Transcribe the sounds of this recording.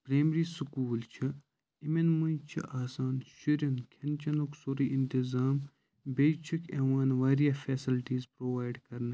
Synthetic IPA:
pɾeːmɾiːsukuːlt͡ʃʰi | imenmũnt͡ʃʰḭʔaːsaːnʃiɾiŋkʰɐnt͡ʃʰɐnuksoɾiʔint̪izaːm | beːt͡ʃʰukʰeʋaːnʋaːɾijɐfʰeːsilʈiːzpɾoːʋaːjɖkɐɾnɐ

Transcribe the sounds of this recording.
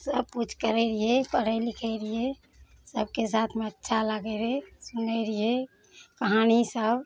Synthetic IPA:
səb̚put͡ʃʰkəɾɛɾiepəɽɛlikʰɛɪɾie | səb̚kesat̪ʰmeətːʃʰaləɡɛɾesunɛɾie | kəɦanisəb

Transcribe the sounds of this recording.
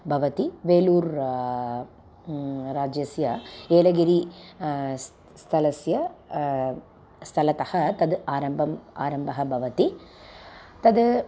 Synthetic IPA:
bʱɐʋɐt̪iʋeːluːɾ | ɾaːd͡ʒjɐsjɐeːlɐɡiɾi | st̪ʰɐlɐsjɐ | st̪ʰɐlɐt̪ɐhɐt̪ɐd̪aːɾɐmbʱɐma̰ːɾɐmbʱɐɦɐbʱɐʋɐt̪i | t̪ɐd̪

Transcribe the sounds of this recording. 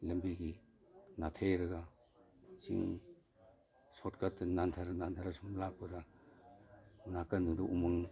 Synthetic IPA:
lɐmbiɡi | natʰejɾɐɡa | t͡ʃḭŋ | sɔtkatnantʰaɾnantʰaɾasumlak̚pɐda | unakanudoʔumɯŋ

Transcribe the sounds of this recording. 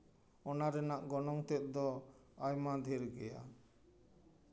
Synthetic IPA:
ɔnaɾɛnaʔɡɔnɔŋt̪ɛt̪̚ˀd̪ɔajmad̪ʱiɾɡɛja̰

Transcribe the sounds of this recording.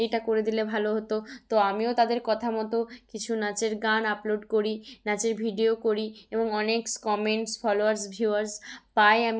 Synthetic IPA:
ejʈakoɾed̪ilebʱaloɦot̪ot̪oamiot̪ad̪eɾkɔt̪ʰamɔt̪okit͡ɕʰunat͡ɕeɾɡanaploɖkoɾinat͡ɕeɾbʱiɖiokoɾieboŋɔnekskɔmeɳʈsfʰɔloaɾsbʱuaɾspajam

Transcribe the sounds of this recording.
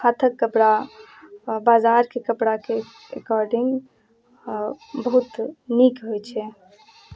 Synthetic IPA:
kʰat̪ʰəkːəpɽa | bazaɾkekəpɽake | ɾḛkɔɾɖiŋɡ | bəɦut̪nikɦojt͡ʃʰɛ

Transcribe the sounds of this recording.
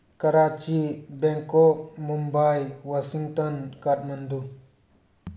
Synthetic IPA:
kɐɾat͡ʃibɛŋkɔk̚mumbajwasiŋtɔnkat̚mand̪u

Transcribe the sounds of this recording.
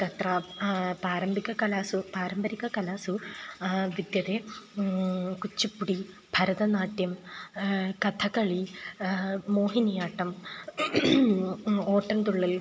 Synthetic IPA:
kɐt̪rɐpaːɾɐmbʱiɣɐkɐlaːsupaːɾɐmbɐɾikːɐkɐlaːsu | ʋid̪jɐðe | kut͡ɕːupːuɽi | bʱɐɾɐðɐnaːʈjɐm | kɐt̪ʰɐkɐɭi | moːɦinɐjaːʈːɐm | o̞ːʈːɐnt̪uɭːil

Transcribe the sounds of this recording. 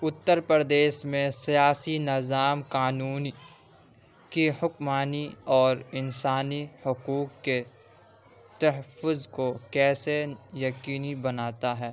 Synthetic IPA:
ʊt̪ːəɾpəɾd̪eːʃmẽsijaːsinɪzaːmkaːnuːni | kehʊkmaːniɔːɾɪnsaːnihʊkuːkːe | t̪ɐɦəfʊzkokɛːsejɐkiːnibɐnaːt̪aɦɛː

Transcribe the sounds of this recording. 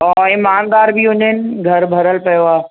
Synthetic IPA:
ɔɪmaːnd̪aːɾbɪɦʊ̃ɲənɪ̆ɡʱɐɾbʱɐɾəlpɐjoaː

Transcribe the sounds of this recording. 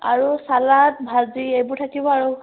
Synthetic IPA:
a̰ɹusalat̚bʱaziejbʊɹtʰakibɔaɹu

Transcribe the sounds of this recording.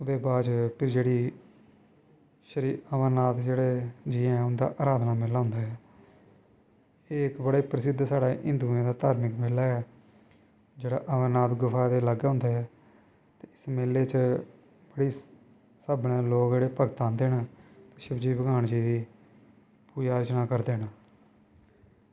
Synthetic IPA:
ʊd̪eːbaːd͡ʒpʰɪɾd͡ʒeːɽiː | ʃəɾiːəʋəɾnaːt̪d͡ʒeːɽeːd͡ʒiːɛ̃ʊnd̪a̰ːʔaːɾaːd̪naːmɪlːaːɦʊ̃nd̪aːɦɛː | eːkbəɽeːpɾəsɪd̪saːɽaːʔɪ̰̃nd̪uːãːd̪aːt̪aːɾmɪkmeːlaːɛː | d͡ʒeːɽa̰ːʔəʋənaːt̪ɡʊfʰaːd̪eːləɡːɦʊ̃nd̪aːɛː | t̪eːɪsmeːleːt͡ʃə | b̥əɽiː | səbnẽːloːkd͡ʒeːɽeːpəɡt̪aːnd̪eːnaːt̪eːʃəbd͡ʒiːbəɡaːɳd͡ʒiːd̪iː | puːd͡ʒaːɾət͡ʃnaːkəɾd̪eːnaː

